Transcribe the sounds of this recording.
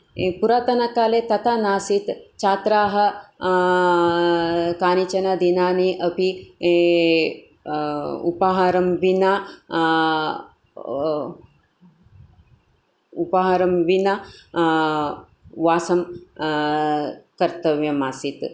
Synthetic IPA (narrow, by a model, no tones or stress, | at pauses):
puɾaːt̪ɐnɐkaːlet̪ɐt̪ʰanaːsit̪t͡ʃaːt̪ɾaːɦɐ | kaːnit͡ʃɐnɐd̪inaːniʔɐpi | ṵpɐɦɐɾɐmʋina | upɐɦɐɾɐmʋinɐ | ʋaːsɐm | kɐɾt̪ɐʋjɐmaːsit̪